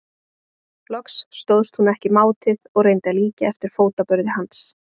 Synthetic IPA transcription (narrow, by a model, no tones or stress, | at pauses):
lɔksːt̪owðst̪hunɛhcɪmaːwt̪ʰɪðɔɣrejnt̪aliːcɪɛft̪ɪɾ̥foːwt̪apœɾðɪhans